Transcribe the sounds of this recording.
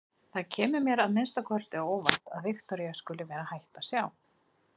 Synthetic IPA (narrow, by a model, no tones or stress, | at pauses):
θaðcʰɛːmʏmjɛɾaðmɪnst̪akʰɔr̥st̪ɪoːwva̰ht̪aðvɪxt̪ɔɾjaskʏːlɪvɛːɾahajht̪asjaːw